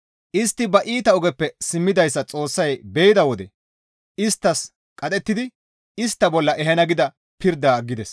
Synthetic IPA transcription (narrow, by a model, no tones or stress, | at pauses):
ʔɪst̪ːɪbɐʔiːt̪ɐʊɡɛpːɛsɪmːɪd̪ɐjsːɐt͡sʼo̞ːsːɐjbɛjɪd̪ɐwɔd̪ɛ | ɪst̪ːɐs | kʼɐt̪ʼɛt̪ːɪd̪ɪ | ɪst̪ːɐbɔlːɐʔɛɦɛnɐɡɪd̪ɐ | pɪɾd̪aɡːɪd̪ɛs